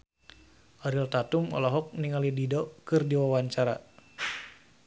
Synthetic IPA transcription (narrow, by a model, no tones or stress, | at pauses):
ʔɔɾilt̪at̪umɔ̰lɔɦɔk̚niŋalididɔkɨrdiwawaɲt͡ʃaɾa